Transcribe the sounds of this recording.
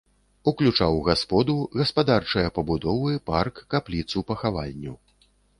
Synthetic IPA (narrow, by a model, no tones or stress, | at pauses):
uklʲut͡ʂawɣaspɔd̪uɣɐspad̪art͡ʂɐjɐpɐbud̪ɔvɨparkːaplʲit̪supɐxavalʲːṵ